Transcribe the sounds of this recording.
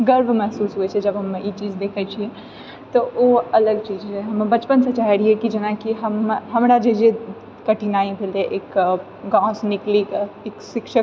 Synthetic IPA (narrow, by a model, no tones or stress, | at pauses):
ɡəɾbʱmɛɦsuːsɦuet͡ʃʰɛd͡ʒɐbɦɐmiːt͡ʃiːd͡ʒd̪eːkʰət͡ʃʰi | t̪ooɐləɡ̚t͡ʃiːd͡ʒɦɛɦɐmbɐt͡ʃpənsɐ̃t͡ʃaɦɛɾiɛkid͡ʒenakiɦəmɦɐmɾad͡ʒed͡ʒe | kɐʈʰinaːĩbʱeleʔeːk | ɡãːsnɪklikeːksɪkʃək